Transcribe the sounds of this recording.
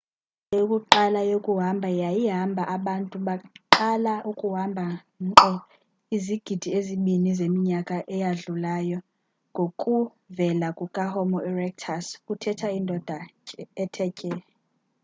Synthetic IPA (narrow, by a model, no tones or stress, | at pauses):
jokʼuǃalajokʼuɦambʱajajiɦambʱaʔaɓantʼuɓaǃalaʔukʼuɦambʱa | ǃɔ | iziɡ̥ʱid̥ʱieziɓinizemiɲakʼaʔɛjaɮulajɔ | ŋɡʱokʼu | vɛlakʼukʼahɔmɔɛrɛk̚tʰaskutʰɛtʰaindʱɔd̥ʱaɛɛtʰɛcʼɛ